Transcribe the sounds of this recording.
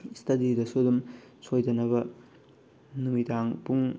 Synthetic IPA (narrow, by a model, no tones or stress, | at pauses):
stʰɐdidɐsudumsojdɐnɐbɐ | numitaŋpuŋ